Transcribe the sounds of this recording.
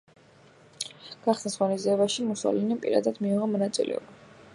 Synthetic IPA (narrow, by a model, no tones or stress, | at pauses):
ɡ̥aχsnasʁɔniziɛbaʃimusɔ̰linipʼḭɾa̰d̪ad̪miuʁɔmɔnat̪sʼḭlʔɛ̰ɔ̰ba